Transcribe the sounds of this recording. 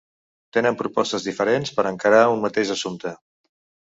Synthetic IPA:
t̪enəmpɾupɔst̪əzðifəɾenspəɾəŋkəɾaunmət̪eʒəsumt̪ə

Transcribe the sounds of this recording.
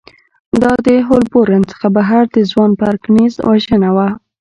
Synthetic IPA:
d̪ɑd̪əɦolboɾant͡sə̥xabaɦaɾd̪əzwɑnpaɾknizwaʒənawa

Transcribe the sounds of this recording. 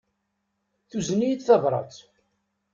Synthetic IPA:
θuzənijθθɑvɾˤɑ̰t͡s

